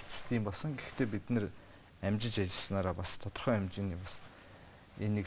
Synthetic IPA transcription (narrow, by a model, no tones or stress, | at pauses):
t͡sɘ̥̆st̪ʰiːmpɔɮsɞ̆ŋɡext̪ʰeːp̬it̪nɘ̆r | æmt͡ɕɪ̆t͡ɕat͡ɕɪ̆ɮsnaːɾaːpast̪ʰɔt̪ɞ̆rχœːæmt͡ɕiniːpas | enːik